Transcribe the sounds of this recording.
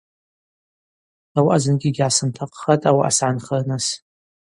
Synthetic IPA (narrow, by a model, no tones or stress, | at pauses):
awaʔazɨnɡʲiɡʲʕasɨntʰaqʼχatʼawaʔa̰sʕanχɐrnas